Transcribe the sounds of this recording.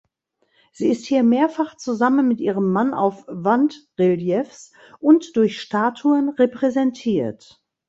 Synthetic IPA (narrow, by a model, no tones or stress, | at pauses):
z̥iːɪsthiːɐmeːɐfaχt͡suzamənmɪtʔiːʁəmːana̰ʊfv̥antʁɪljɛfs | ʔʊntd̥ʊɐçʃtaːtʰuənʁepʁ̥ɛzɛntʰiːɐt